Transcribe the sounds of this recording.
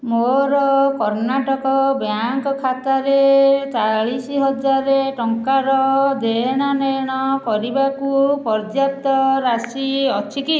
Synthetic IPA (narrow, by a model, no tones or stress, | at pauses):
moɾɔkɔɾnaʈɔkɔbjaŋkɔkʰat̪aɾet͡ʃaɭisiɦɔd͡ʒaɾeʈɔŋkaɾɔd̪eɽ̃aneɽ̃ɔpɔɾibakupɔɾd͡ʒjap̚t̪ɔɾasiɔt͡ʃʰiki